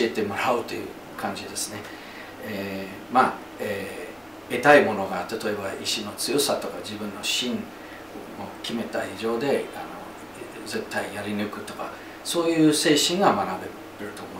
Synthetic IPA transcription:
iet̪e̞moɾaɯ̟t̪ːo̞̰jɯ̟̰ | kʰãɲ̟d͡ʑid̪e̞sɨ̥ne̞ | e | ma | eː | e̞t̪aimo̞no̞ɡat̪at̪o̞e̞baʔiɕino̞t͡sɨjo̞sat̪o̞kad͡ʑibɯ̟̃nːo̞ɕĩn | okʲime̞t̪aiʑo̞ːd̪e̞a̰no̞̰ | ze̞t̪ːaijaɾʲinɯ̟kɯ̟t̪o̞ka | so̞ːjɯ̟ːse̞ːɕĩŋɡamanabe̞ | t̪ːeɾɯ̟t̪o̞moi

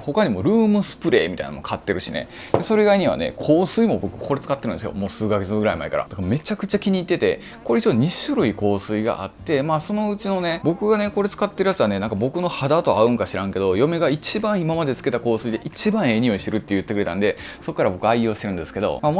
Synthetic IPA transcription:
ho̞kaɲ̟imo̞ɾɯ̟ːmɯ̟sɨ̥pɯ̟ɾe̞ːmʲit̪a̰ḭnmkʰat̪ːe̞ɾɯ̟ɕinḛ | d̪eso̞ɾeiɡaiɲ̟iβa̰ne̞̰kʰo̞ːsɨimo̞bo̞kɯ̟ko̞ɾe̞t͡sɨ̥kat̪ːeɾɯ̃nesɨjo̰mo̞ːsɨːkaɡe̞t͡sɨɡɯ̟ɾaimaeka̰ɾa̰d̪akame̞t͡ɕakɯ̟t͡ɕakʲiɲ̟iːt̪ːe̞t̪e̞̰ | ko̞ɾeit͡ɕoːɲ̟iɕɨɾɯ̟iko̞ːsɨiɡa̰ʔa̰t̪ːe̞maːso̞no̞ɯ̟t͡ɕino̞ne̞bo̞kɯ̟ɡane̞ko̞ɾe̞t͡sɨ̥kat̪ːe̞ɾɯ̟jat͡ssɨβane̞nãŋkabo̞kɯ̟no̞had̪at̪o̞aɯ̟̃ŋkaɕiɾãŋke̞d̪o̞jo̞me̞ɡait͡ɕibãɰ̃imamad̪e̞t͡sɨ̥ke̞t̪ako̞ːsɨid̪e̞ʔit͡ɕibãɰ̃e̞ːɲ̟io̞iɕt̪eɾɯ̟t̪ːejɯ̟t̪ːkɯɾe̞t̪ã̰nd̪e̞ | so̞kːaɾabo̞kɯ̟aio̞ːɕt̪eɾɯ̟̃nd̪e̞sɨ̥ke̞d̪o̰mam

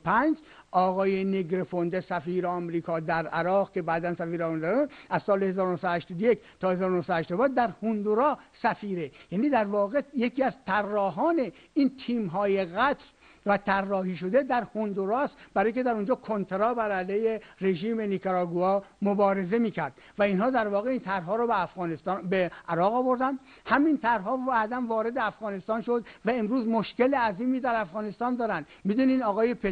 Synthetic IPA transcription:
pʰænd͡ʒ | ʔɒːɣɒːjeneɡɾefond̪esæfiːɾeɒmɾiːkʰɒːd̪æɾæɾɒːɣke̞bæd̪ænsæfiːɾɒmund̪ɒːɾæʔæz̥sɒːlehe̞zɒːɾonohsæd̪ohæʃt̪ɔːd̪ojekt̪ʰɒːhe̞zɒːɾonohsæd̪hæʃt̪ɔd̪bæd̪d̪æɾhund̪uɾɒːsæfiːɾejæːniːd̪æɾvɒːɣejekʰiːæzt̪ʰærːɒːɦɒːne̞ | iːnt̪ʰiːmɦɒːje̞ɣæt̪ɾ | væt̪ʰærːɒːhiːʃod̪e̞d̪æɾhond̪uɾɑːsb̥æɾːjicʰʲed̪æɾond͡ʒɒːkʰont̪ʰeɾɒːbæɾælejere̞ʒiːme̞nikʰoɾɒːɡuɒːmobɒːɾe̞ze̞miːcʰæɾd̪̥̚ | væinhɒːd̪æɾvɒːɣeiːnt̪ʰæɾɦɒːɾɔːbeæfɣɒːnest̪ɒːnbeʔæɾɒːɣɒːvo̞ɾd̪ænd̪ | hæmint̪ʰæɾɦɒːæd̪æmvɒːɾe̞d̪eæfɣɒːne̞st̪ɒːnʃod̪væemɾuːzmoʃkeleæziːmiːd̪æɾæfɣɒːne̞st̪ɒːnd̪ɒːɾænd̪̥mid̪uːnid̪ɒːɣɒːjepʰe

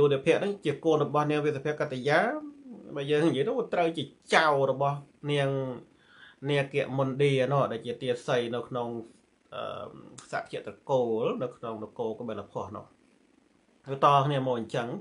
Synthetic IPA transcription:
juːniəpʰiəʔnɨŋt͡ɕiəkoənrɔɓɑhniəŋʋit̪̚sapʰiəʔkːat̪ːejaːɓaːjəːŋɲjiəjnʊ̆kt̪rəwt͡ɕiət͡ɕawrɔɓɑhniəŋ | niəkɛ̆əʔmunɗiənʊʔɗaɛlt͡ɕiət̪iəsəjnɨwkʰnoŋ | ʔə̰ːsa̰ːʔkʰiəʔt̪rɑkoːlnɨwkʰnoŋlokoːkɓɛlapʰoəhnʊ̰̆əh | ət̪ɑːkʰniəmɔːɲt͡ɕəŋ

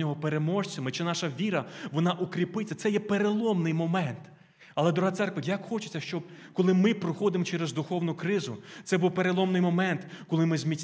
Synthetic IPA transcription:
nʲɔɦɔpeɾemɔʃt͡sʲɐmɪt͡ʃɪnɑʃɐʋʲiɾɐʋɔnɑʔukɾʲipɪt͡sʲːɐt̪sɛjɛpeɾelˠɔmnɪjmɔmɛnt̪ | ɐlˠɛd̪ɾʊɦat̪sɛrkʋɐjɐkxɔt͡ʃe̥t͡sʲːɐʃt͡ʃɔb̥̚ | kɔlˠɪmɪpɾɔxɔd̪ɪmɔt͡ʃɛɾezd̪ʊxɔwnʊkɾɪzʊt̪sɛbuwpeɾelˠɔmnɪjmɔmɛnt̪kɔlˠɪmɪzmʲit͡sʲ

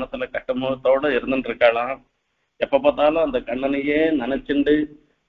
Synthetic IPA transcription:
nɐt̪ɐlɐkɐʂʈːɐmɐt̪oːɽɐiɾɐnd̪ɐnɾikaːɭa | ɛpːɐpɐt̪aːloɐnt̪ɐkɐɳːɐnijeːnɐnɐt͡ʃːiɳɖi

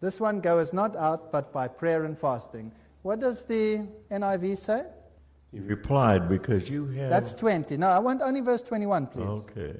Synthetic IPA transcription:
ðɪswʌ̃nɡoʊznəɾaʊt̚b̥ʌt̚b̥aɪpʰɹ̥ɛɹɨ̃nfæstɪ̃ŋ | wʌt̚d̥ʌzðiɛ̃naɪviseɪ | hiɹɨpʰl̥aɪd̚bɨkʰʌzjɨɨðættstʰw̥ɛ̃ntinoʊaɪwɔ̃ntõʊ̃nlivɜ˞stʰw̥ɛ̃ñtiwʌ̃npʰlḭozʊkʰḛɪ

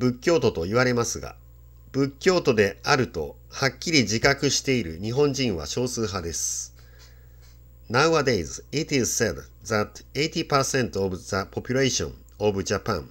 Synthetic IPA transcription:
bɯ̟kʲːo̞ːt̪o̞t̪o̞iβaɾe̞masɨɡa̰ | b̥ɯ̟kʲːo̞ːt̪o̞d̪e̞aɾɯ̟t̪o̞̰ | hakʲːiɾʲiʑikakɯ̟ɕi̥t̪e̞iɾɯ̟̰ɲ̟iɦõ̞ɲ̟d͡ʑĩɰ̃βa̰ɕo̞ːsɨːɦad̪e̞sɨ̥ | naɯ̟βad̪e̞izɨit̪izseb | zat̪eit̪ʲipasẽ̞nt̪oobɯ̟zapo̞pʲɨɾeɕõ̰ɴ | obɯ̟ʑapã̰ŋ

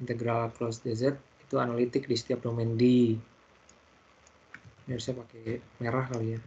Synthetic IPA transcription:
int̪eɡɾalkɾɔsdezɛrt̪̚it̪uanalit̪ɪk̚disi̥t̪iap̚domɛndi | biaɾusapakemeɾahkaluja

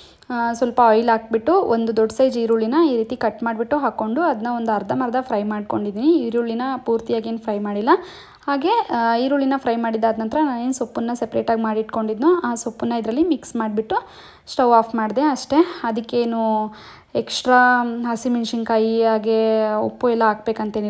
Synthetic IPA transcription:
sʋɐlpɐojlaːk̚biʈːuond̪ud̪oɖsɐjd͡ʒiːɾuːɭːinɐiːɾiːt̪ikɐʈmaːɖbiʈːuɦaːkːo̞ɳɖuɐd̪ɐnːɐo̞nd̪uɐɾd̪ʱɐmɐɾɐd̪ɐpʰɾɐjmaːɖ̚ko̞ɳɖid̪iːniiɾuːɭinɐpuːɾt̪ijaːɡeːnpʰɾɐjmaːɽilːɐ | haːɡe̞iːɾuːɭːinɐpʰɾɐjmaːɽid̪ːaːd̪nɐnt̪ɾɐnaːnensopːunːɐsepɾeːʈaːɡmaːɽiʈko̞ɳɖid̪nuaːsopːunːɐid̪ɾɐlːimiksmaːɽbiʈːu | sʈɐʋaːpʰmaːɖd̪e̞ɐʂʈe̞ɐd̪ikːeːnu | eksʈɾaːɦɐsimiɳʂiŋkʰaːjiaːɡe̞o̰pːuɛlːɐaːkbe̞ːkɐnt̪eːni

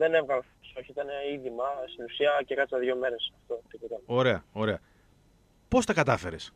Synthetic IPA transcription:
ðenevɣɐlɐfpsoçiit̪ɐneiðimɐst̪inusiɐcekɐsɐðʝo̞meɾesɐft̪o̞t̪ipot̪eo̞ɾe̞ɐo̞ɾe̞ɐ | po̞st̪ɐkɐt̪ɐfe̞ɾes

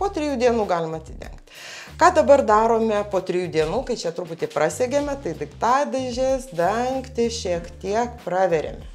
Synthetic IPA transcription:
poːt̪ʲɾʲɪjuːd̪ʲiɛnuːɡɑːlʲɪmɐt̪ʲsʲɪd̪ʲɛ̰ŋkt̪ʲ | kɑːd̪ɐbɐrd̪ɑːɾoːmʲɛpoːt̪ʲɾʲɪjuːd̪ʲiɛnuːkɐɪt͡ʃʲɛt̪ɾʊpʊt̪ʲɪpɾɑsʲeɡʲemʲɛt̪ɐɪd̪ʲɪkt̪ɑːd̪ɐʒʲesd̪ɐŋkt̪ʲɪʃʲiɛkt̪ʲiɛkpɾɑːʋʲɛɾʲḛmʲɛ

